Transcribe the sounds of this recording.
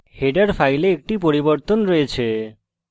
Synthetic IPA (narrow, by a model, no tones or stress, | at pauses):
heɖaɾfʰajleek̚ʈipoɾiboɾt̪onɾɔet͡ɕʰe